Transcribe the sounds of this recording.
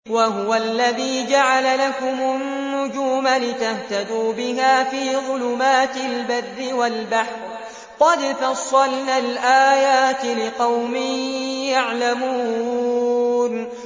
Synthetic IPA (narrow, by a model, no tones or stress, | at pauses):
waɦʊwalːaðiːd͡ʒaʕalalakʊmʊnnːʊd͡ʒuːmalɪt̪aht̪ad̪uːbɪɦaːfiːðˤʊlʊmaːt̪ɪlbaðːɪwalbaħɾ | qɑd̪fɑsˤːɑlnaːlʔaːjaːt̪ɪlɪqɑwmɪjaʕlamuː | n